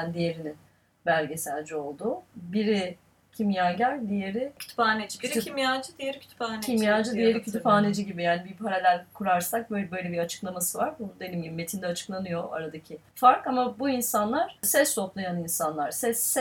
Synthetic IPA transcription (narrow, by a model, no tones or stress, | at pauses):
nd̪ije̞ɾinin | bælʲɟe̞sælʲd͡ʒio̞lˠd̪ubiɾi | cʰimjaːɟælʲd̪ije̞ɾɪcʰy̥t̪ʰy̥paːned͡ʒiyimjad͡ʒɯd̪ijeɾicʰy̥t̪ʰy̥paːneimjaːd͡ʒɯd̪ijeɾicʰyt̪ʰypaːned͡ʒiɟibijaːnibipʰaɾalʲælʲkʰuɾaɾsak̚bøbø̞jlʲebiɾat͡ʃʰɯ̥klˠamasɯvaɾbund̪e̞nimjimːe̞t̪ʰind̪ɛat͡ʃʰɯ̥klˠanɯjo̞ʔa̰ɾad̪acʰifaɾkamabuinsanlˠaɾ̥sɛst̪ʰo̞plˠajaninsanlˠaɾsɛsːɛ